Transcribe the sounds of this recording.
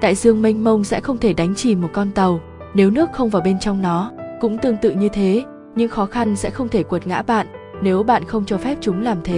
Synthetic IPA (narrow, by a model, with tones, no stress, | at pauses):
t̪a̰ː˧˨jzɨ˧əŋmi˧ŋ̟mə˧wŋ͡msɛ̰˧˥xə˧wŋ͡mt̪ʰe˧˩ɗa˨˦jŋ̟t͡ɕi˨˩mo˨˩t̚kɔ˧nt̪ə˨˩w | ne˨˦wnɨ˦˥ək̚xə˧wŋ͡mvaː˨˩wɓe˧nt͡ɕɔ˧wŋ͡mnɔ˨˦kʊ̰˧˥ŋ͡mt̪ɨ˧əŋt̪ɨ̰˧˨ɲɨ˧t̪ʰe˨˦ | ɲɨ̰˧˥ŋxɔ˨˦xa˧nsɛ̰˧˥xə˧wŋ͡mt̪ʰe˧˩kwt̚ŋa̰ː˧˥ɓa̰ː˧˨nne˨˦wɓa̰ː˧˨nxə˧wŋ͡mt͡ɕɔ˧fɛ˦˥p̚t͡ɕʊ˨˦ŋ͡mlaː˨˩mt̪ʰe˨˦